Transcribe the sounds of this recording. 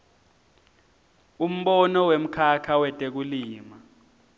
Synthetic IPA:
um̩ɓɔnɔwem̩kʰakʰawɛtʼek̬uliːma

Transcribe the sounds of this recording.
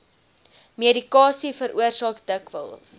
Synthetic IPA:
miədikɑːsifəɾʔuərsɑːkdəkvə̰lˠs

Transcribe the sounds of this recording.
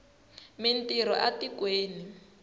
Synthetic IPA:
min̩tiɾɔ̰ʔatikweːni

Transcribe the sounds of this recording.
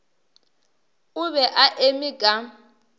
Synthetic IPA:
ʊβɛʔaʔemɪkʼa

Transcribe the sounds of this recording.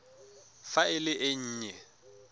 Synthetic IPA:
faɪlɪʔɪɲ̩ːɲɛ

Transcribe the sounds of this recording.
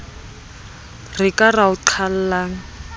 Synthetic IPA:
rɪkʼaraʊǃʰal̩laːŋ̩

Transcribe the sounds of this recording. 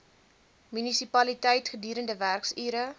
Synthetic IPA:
mynisipɐlitɛjtχədyːɾəndəværksiːɾə

